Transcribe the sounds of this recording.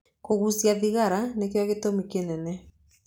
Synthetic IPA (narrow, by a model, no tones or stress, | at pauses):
koɣusiaðiɣaɾanekejɔɣetomikenɛnɛ